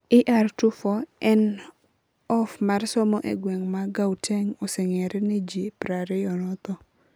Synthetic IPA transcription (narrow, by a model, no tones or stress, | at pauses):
iʔartufɔɛn | ɔfmarsɔmɔʔḛɡweŋmaɡawteŋɔsɛŋɛɾɛned͡ʒipɾaɾɛjɔnɔt̪ɔ